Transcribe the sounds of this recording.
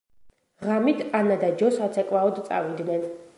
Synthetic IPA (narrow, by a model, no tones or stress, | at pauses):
ʁamit̪ʰanad̪ad͡ʒɔsat̪sʰɛkʼwaɔd̪t̪sʼa̰vid̪nɛn